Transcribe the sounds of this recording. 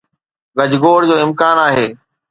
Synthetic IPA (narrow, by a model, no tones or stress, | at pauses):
ɡɐd͡ʑɡoːɽd͡ʑoːɪmkaːnaːɦeː